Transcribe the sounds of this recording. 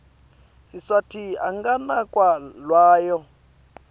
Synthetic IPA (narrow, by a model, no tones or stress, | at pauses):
siswatʰia̰ŋɡanakʼwalwaːjɔ